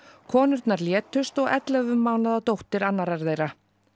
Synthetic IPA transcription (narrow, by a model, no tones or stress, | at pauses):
kʰɔːnʏɾt̪naɾljɛːt̪ʏst̪ɔɣɛ̰t̪lɛvʏmːaːwnaðat̪owht̪ɪɾanːaɾaɾðejɾa